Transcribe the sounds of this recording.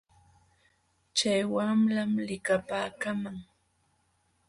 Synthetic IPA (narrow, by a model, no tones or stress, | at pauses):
t͡ʃajwamlamlɪkapaːkamaŋ